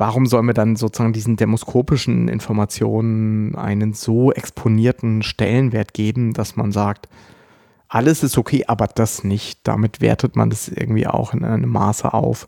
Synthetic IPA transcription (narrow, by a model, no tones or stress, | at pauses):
vaʁ̞ʊmzɔlənviɐdanzot͡suz̥aːɡŋ̩diːzn̩dɛmoskʰoːpɪʃn̩ʔɪ̰nfɔɐmat͡sjo̰ːnənʔa̰ɪnənzoːʔɛkspʰoniːɐtn̩ʃtɛ̰lənveːɐtɡ̥eːbm̩d̥asmanzaːk̚t | ʔaləsɪstʰokʰeːʔaːbɐd̥asnɪçtd̥a̰mɪtv̥ḛːɐtətma̰ndasʔɪ̰ɐɡŋ̩tv̥ḭːʔa̰ʊxɪnʔa̰ɪnəmːa̰ːsə̰ʔa̰ʊf